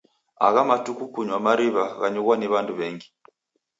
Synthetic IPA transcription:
a̰ɣamatukukuɲwamaɾiβaɣaɲuɣwaniβanduβɛŋɡi

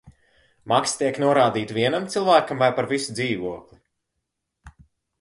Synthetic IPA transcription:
makst̪iɛknuɔɾaːd̪iːt̪viɛnamt̪silˠvæːkamvajpaɾvisud̪ziːvuɔklˠi

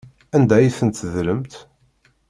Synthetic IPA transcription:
ænd̪æjiθənt̪ðləmt̪

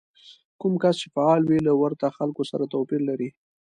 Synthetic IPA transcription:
kumkast͡ʃefaɑlwilawaɾt̪axalkosaɾat̪opiɾlaɾi

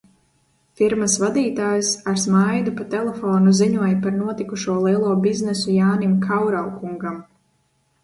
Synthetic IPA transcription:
fiɾmasvad̪iːt̪aːjusaɾsmajd̪upat̪ɛlˠɛfɔːnuziɲuɔjpaɾnuɔt̪ikuʃuɔlˠiɛlˠuɔbiznɛsujaːnimkʰawɾawkuŋɡam

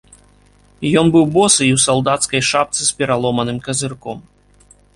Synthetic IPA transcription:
jɔnbɨwbɔsɨiwsalˠd̪at̪skɐjʂapt̪sɨspʲɛɾalˠɔmɐnɨmkɐzɨrkɔm

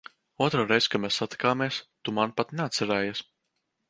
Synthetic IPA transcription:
uɔt̪ɾoːɾejz̥ʲkamɛːsːat̪i̥kaːmiɛst̪umanpat̪neat̪sæɾɛːjas

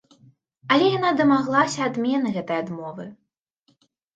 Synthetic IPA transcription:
ɐlʲɛjanad̪ɐmaɣlˠasʲɐːd̪mʲɛnɐɣɛt̪ɐjad̪mɔvɨ

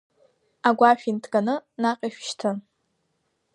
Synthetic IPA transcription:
aɡʷaʃᶣintʰɡʼanɨnaqʲʼiʃʃtʰɨn

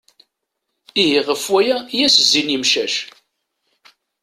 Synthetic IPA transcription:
iɦiʁəfwæjæjæszːinimʃæʃ

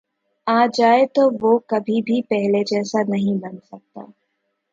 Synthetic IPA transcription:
aːd͡ʒaːet̪oʋoːkɐbʱibʱipɛɦled͡ʒɛːsanɐɦĩbɐnsɐk̚t̪a̰ː

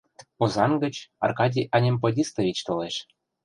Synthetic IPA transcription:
pozɑnɡə̆t͡ɕɑ̰rkɑdʲiʔɑnʲemp̬odʲist̪ɤvʲit͡ɕt̪oleʃ

